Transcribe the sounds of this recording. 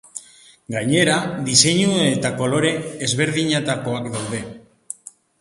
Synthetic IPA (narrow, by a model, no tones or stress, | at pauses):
ɡaɲe̞ɾad̪ise̞ɲue̞t̪ako̞lo̞ɾe̞ːzβe̞ɾðiɲet̪ako̞akd̪awðe̞